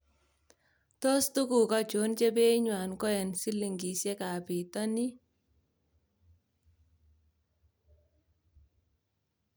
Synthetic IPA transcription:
tɔ˦stu˦ku˨ka˦t͡ʃo˨˦nt͡ʃe˦pe˦ɲwa˨nkɔ˦jɛ˨nsi˦li˨ŋɡi˨sɛ˦ka˨pi˨tɔ˦ni˦

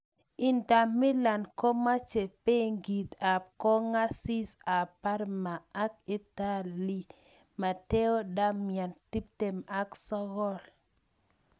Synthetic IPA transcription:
ɪ˨nda˨mːɪ˦la˨nko˦ma˦t͡ʃe˨pe˦ŋɡi˨t̪a˨p̚kɔ˦ŋa˦si˦sa˨pa˦ɾmaː˨˦k̚i˦ta˦li˦ | ma˨te˦o˦da˦mja˨nti˦p̚te˨ma˦ksɔ˦ɣɔ˦l

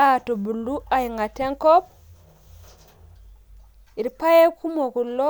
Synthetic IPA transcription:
a˦˨to˨bu˨lːu˦a˨ji˨ŋɡa˨te˦ŋko˦p̚ | i˨ɾpa˦je˦kʰu˦mo˨ku˨lːo˦

